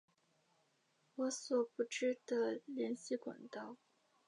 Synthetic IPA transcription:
wɔ˧˥swɔ˨˩pu˧˥ʈ͡ʂɻ̩˥d̪ə˨ljɛ˧˥nɕi˥kwa̰˨˩nt̪ɑ˥˩ʊ

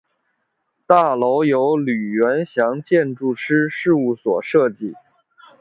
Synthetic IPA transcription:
t̪a˥˩lo˧˥ʊjo˧˥ʊly˨˩ɥɛ˧˥nɕjɑ˧˥ŋt͡ɕjɛ˥˧nʈ͡ʂu˥˩ʈ͡ʂʰɻ̩˥ʂɻ̩˥˧u˥˩swɔ̰˨˩ʂɤ˥˧t͡ɕi˥˩

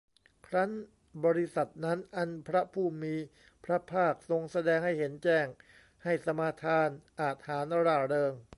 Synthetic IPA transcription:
kʰɾa˦˥n | bɔː˧ɾi˦˥sa˨˩t̪̚na˦˥nʔa˧npʰɾa˦˥pʰuː˥˩miː˧ | pʰɾa˦˥pʰaː˥˩k̚so˧ŋsa˧dɛː˧ŋɦa˥˩jhe˩˦nt͡ɕɛː˥˩ŋ | ha˥˩jsa˧maː˧t̪ʰaː˧nʔaː˨˩t̪̚haː˩˦nɾaː˧˩ɾɤː˧ŋ

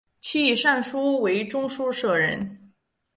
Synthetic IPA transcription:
t͡ɕʰi˥i˨˩ʂa˥˩nʂu˥we˧˥ɪʈ͡ʂʊ˥ŋʂu˥ʂɤ˥˩ɻə̰˧˥n

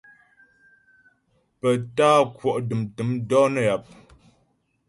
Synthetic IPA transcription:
pə˨taː˦kwɔ˨ʔdɨ˨mtɨ˨˦mdɔː˦nə˦˨ja˨p̚

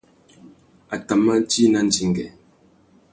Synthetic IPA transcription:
a˨ta˨mːa˦n˦ti˦na˦n˦d͡ʒi˦ŋ˨ɡɛ˨

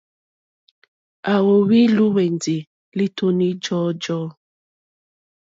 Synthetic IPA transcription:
a˨wo˨wi˦lu˦wɛ˨ndi˨ | li˦tʰo˦ni˦d͡ʒɔ˦d͡ʒɔː˦

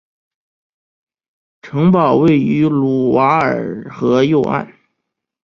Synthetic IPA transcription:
ʈ͡ʂʰɤ˧˥ŋpɑ˨˩ʊwe˥˩ɪy˧˥lu˨˩wa˧˥ə̰˞˨˩xɤ˧˥jo˥˧ʊʔa̰˥˩n

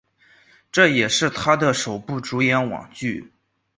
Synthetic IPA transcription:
ʈ͡ʂɤ˥˩jɛ˨˩ʂɻ̩˥˩t̪ʰa˥d̪ə˨ʂo˨˩ʊpu˥˩ʈ͡ʂu˧˥jɛ˧˥nwɑ̰˨˩ŋt͡ɕy˥˩

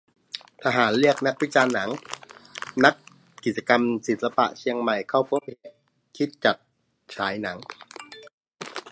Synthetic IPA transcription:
t̪ʰa˧ɦaː˩˦nlɯ˥˩ək̚na˦˥k̚wi˦˥t͡ɕaː˧nːa˩˦ŋ | na˦˥kː | i˨˩t̪̚t͡ɕa˧ka˧msi˨˩t̪̚sa˧pa̰˨˩ʔt͡ɕʰi˧əŋma˨˩jkʰa˥˩wpʰo˦˥ŋhe˨˦ | kʰi˦˥t̪̚t͡ɕa˨˩t̪̚ | t͡ɕʰaː˩˦jna˩˦ŋ

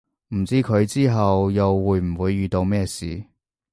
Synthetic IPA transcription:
m̩˨˩t͡siː˥kʰɵ˨˧ɥt͡siː˥ɦɐ˨wjɐ˨wːuː˨˧jm̩˨˩wuː˨˧jːyː˨t̪o˧wmɛː˥sḭː˨

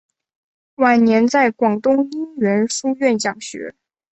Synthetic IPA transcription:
wa˨˩nnjɛ˧˥nt͡sa˥˩ɪkwɑ˨˩ŋt̪ʊ˥ŋi˥nɥɛ˧˥nʂu˥ɥɛ˥˩nt͡ɕjɑ˨˩ŋɕɥɛ̰˧˥

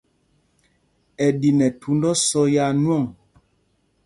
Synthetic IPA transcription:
ɛ˨di˨nɛ˨tʰu˨˦n˦dɔ˦sɔ˦ja˦˨nwɔ˦˨ŋ

